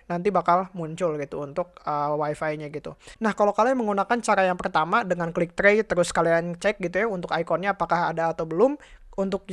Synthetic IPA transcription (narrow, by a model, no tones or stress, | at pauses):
nant̪ibakalmuɲt͡ʃʊlɡit̪uːnt̪ʊk̚əwaifajɲaɡit̪unahkalokaliməŋunakant͡ʃaɾajaŋpərt̪amadəŋanklik̚t̪ɾejt̪əɾʊskaliant͡ʃɛk̚ɡit̪ujaunt̪ʊkajkɔnɲaːpakaɦadaːt̪awbəlʊmunt̪ʊk̚